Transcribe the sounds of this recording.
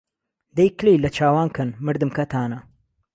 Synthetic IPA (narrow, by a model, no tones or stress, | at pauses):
d̪ejklejlɐt͡ʃʰaːwaːnkʰɐnmɨɾd̪ɨmkɐt̪ʰaːnɐ